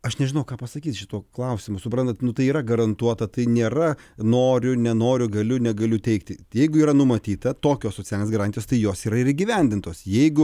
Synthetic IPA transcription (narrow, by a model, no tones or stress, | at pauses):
ɐʃnʲɛʒʲɪnɐʊkɑːpɐsɐkʲiːt̪ʃʲɪt̪uɔklˠɐʊsʲɪmʊsʊpɾɐnt̪ɐt̪nʊt̪ɐɪiːɾɐɡɐɾɐnt̪uɔt̪ɐt̪ɐɪnʲeːɾɐnoːɾʲʊnʲɛnoːɾʲʊɡɐlʲʊnʲɛɡɐlʲʊt̪ʲɛɪkt̪ʲɪjɛɪɡʊiːɾɐnʊmɐt̪ʲiːt̪ɐt̪oːkʲoːssoːt͡sʲælʲnʲeːsɡɐɾɑːnʲt̪ʲɪjoːst̪ɐɪjoːsiːɾɐɪɾiːɡʲiʋʲɛnʲd̪ʲɪnt̪oːsjɛɪɡʊ